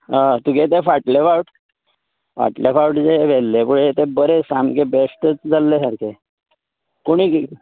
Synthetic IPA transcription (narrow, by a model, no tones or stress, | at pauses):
at̪uɡet̪efaʈlefawʈ | ʋa̰ʈlefawʈd͡zeʋelːepuɭet̪ebəɾesamkebesʈət͡sd͡zalːesəɾkʰe | koɽ̃iː